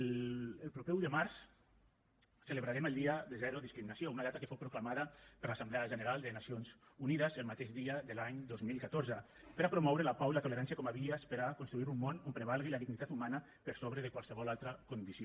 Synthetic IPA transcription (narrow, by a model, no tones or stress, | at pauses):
lelˠpɾopɛwðəmaɾs | sələβɾaɾeməlˠd̪iad̪əzɛɾoðiskɾiminasiounaðat̪akə̥fowpɾuklamaðapəɾlasambleaʒənəɾalˠd̪ənasionzuniðəzəlˠmat̪eʃd̪iaðəlaɲd̪ozmilˠkat̪oɾzə | pəɾapɾomɔwɾəlapawilat̪oleɾansjakɔmaβiəspeɾakonst̪ɾuiɾumːonompɾeβ̞alˠɣilaðiɡnit̪at̪umana | pəɾsoβɾəðəkwalˠsəβɔlalˠt̪ɾakond̪isio